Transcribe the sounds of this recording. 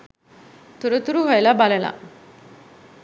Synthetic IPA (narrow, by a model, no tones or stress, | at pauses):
t̪uɾut̪uɾuɦojlabaləla̰